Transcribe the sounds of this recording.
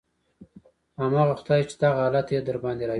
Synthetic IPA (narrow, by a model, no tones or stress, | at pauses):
hamɑɣaxʊd̪ɑjt͡ʃe̥d̪aɣahɑlat̪jed̪əɾbɑnd̪eɾɑ